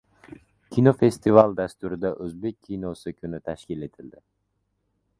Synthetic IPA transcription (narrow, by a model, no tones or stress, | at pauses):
kʲʰinofe̞st̪ʰivalˠd̪ast̪ʊɾɪd̪aʔɵzbe̞kʲʰːinosɪkʰʲynɪt̪ʰaʃkʲile̞t̪ʰɪld̪ɪ